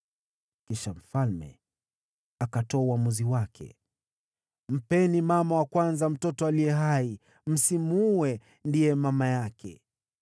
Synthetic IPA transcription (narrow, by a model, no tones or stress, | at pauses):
kiʃam̩falmɛ̰ | akatɔːuwamuziwakʰɛ̰ | m̩pɛnimamawakwanzam̩tɔtɔalijɛɦai | m̩simuwɛ | ndijɛmamajakʰɛ̰